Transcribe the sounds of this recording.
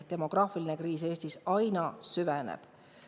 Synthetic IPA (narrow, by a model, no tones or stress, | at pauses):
t̪emo̞ɡ̥rɑːfiline̞kriːs̬e̞ːst̪isɑjnɑsyvenḛb̥